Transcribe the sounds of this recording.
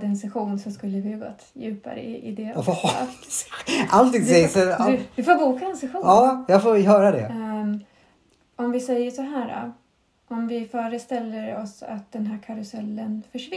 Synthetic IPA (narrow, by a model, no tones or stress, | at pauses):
d̪ɛnsɛɧuːnsɔskɵlːəvɪjɑɡɔ̰t̪ːjʉ̟ːpa̰ɾə̰ɪʔɪd̪eː | ʔalt̪ʰːɪŋsɛjsɛd̪vɪfoːɾbuːkaɛnsɛɧuːɑːjɑːɡfoːɦœːɾad̪ɛ̰ | ɔmvɪsɛjːəʂɔɦæːɾa̰ | ʔɔmvɪfœːɾəst̪ɛlːəɾɔsa̰t̪̚d̪ɛnɦæːɾkʰaɾʊsɛlːənfœʂɪ